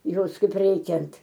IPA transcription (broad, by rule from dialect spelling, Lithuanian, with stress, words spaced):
ˈjoːs kɐɪp ˈrʲɛɪkʲɛnt